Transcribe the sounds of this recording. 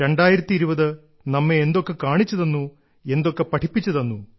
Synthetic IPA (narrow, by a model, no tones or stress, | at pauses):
ɾe̞ɳɖaːjiɾɐt̪ːiːɾuʋɐðɨ | nɐmːeːnd̪okːɐkaːɳit͡ɕːɐðɐnːu | e̞nd̪okːɐpɐʈʰipːit͡ɕːɐðɐnːu